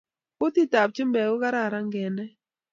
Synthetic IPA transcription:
ʊ˦ti˦ta˨p̚t͡ʃɪ˦mbɛ˨ɡɔ˦ka˦ɾa˦˨ɾa˦ŋɡɛ˨nɛ˦

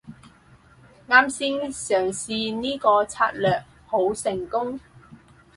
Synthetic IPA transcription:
ŋaː˧msiː˧˥ŋsœː˨˩ŋsiː˨˧niː˥kɔː˧t͡sʰa̰ː˧t̚lœː˨k̚ | ho˨˧wsɪ˨˩ŋkʊ˥ŋ

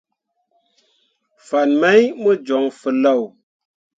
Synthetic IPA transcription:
fa˨nmə˦jmə˦d͡ʒo˨˦ŋfə˨la˦˨w

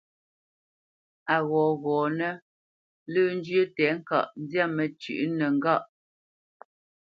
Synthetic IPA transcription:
a˨ɣɔː˨ɣɔː˨nɛ˦ | lə˦n̩˦d͡ʒɥə˦tɛ˨˦ŋ̩˦ka̰˨ʔn˦dja˦˨mɛ˨t͡ʃʉ̰˨ʔnɛ˨ŋ̩˦ɡa˦˨ʔ

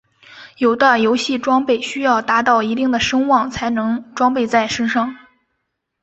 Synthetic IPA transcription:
jo˨˩ʊd̪ə˦jo˧˥ʊɕi˥˩ʈ͡ʂwɑ˥ŋpe˥˩ɪɕy˥jɑ˥˩ʊt̪a˧˥t̪ɑ˥˩ʊi˧˥t̪̬i˥˩ŋd̪ə˩ʂɤ˥ŋwɑ˥˩ŋt͡sʰa˧˥ɪnɤ˧˥ŋʈ͡ʂwɑ˥ŋpe˥˧ɪt͡sa˥˩ɪʂə˥nʂɑ˥˩ŋ

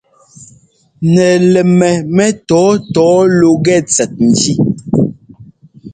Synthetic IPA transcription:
nɛ˨lɛ˨mɛ˨mɛ˦tɔ˨˦tɔː˨˦lo˦ɡɛ˦˨t͡sɛ˨t̚n̩˨d͡ʒi˦

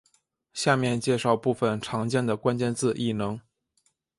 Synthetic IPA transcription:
ɕja˥˧mjɛ˥˧nt͡ɕjɛ˥˧ʂɑ˥˧ʊpu˥˩fə˩nʈ͡ʂʰɑ˧˥ŋt͡ɕjɛ˥˩nd̪ə˩kwa˥nt͡ɕjɛ˥˧nt͡sɹ̩˥˧ʔi˥˩nɤ˧˥ŋ

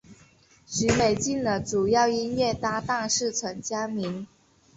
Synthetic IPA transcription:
ɕy˧˥me˨˩ɪt͡ɕi˥˩nlə˩ʈ͡ʂu˨˩jɑ˥˩ʊi˥nɥɛ˥˩t̪a˥t̪a˥˧ŋʂɻ̩˥˩t͡sʰwə˧˥ŋt͡ɕja˥mi˧˥n

